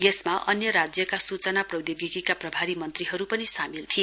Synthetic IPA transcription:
jesmaʔʌnjʌɾad͡zjʌkasut͡sʌnaprʌwd̪jiɡikikaprʌbʱaɾimʌnt̪riɦʌɾupʌnisamilt̪ʰie

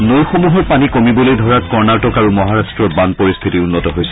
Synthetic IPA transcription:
nojxomuɦɔɹpanikomibɔlojdʱɔɹakɔɹnatɔkaɹumɔɦaɹastɹɔɹbanpoɹist̪ʰitiunːɔtɔɦojsʰɛ̥

